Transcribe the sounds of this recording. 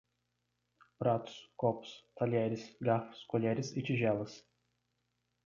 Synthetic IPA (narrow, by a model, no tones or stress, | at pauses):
pɾɑt̪skɔpst̪ɐlʲæːɾʲɪsɡɑfskɔlʲæːɾʲɪsɪt͡ʃʲɪʒʲæːlˠɐs